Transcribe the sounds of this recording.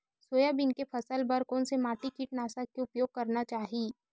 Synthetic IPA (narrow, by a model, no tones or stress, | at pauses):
soːjabɪnkepʰɐsəlbəɾkoːnsemaːʈikiʈnaːsakkeʊpjoːɡ̚kɐɾnat͡ʃaːɦiː